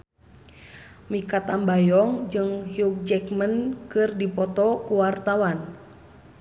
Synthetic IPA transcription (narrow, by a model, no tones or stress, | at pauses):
mikat̪ambajɔŋd͡ʒɨŋhiuk̚d͡ʒɛkmənkɨrdipɔt̪ɔkuwart̪awan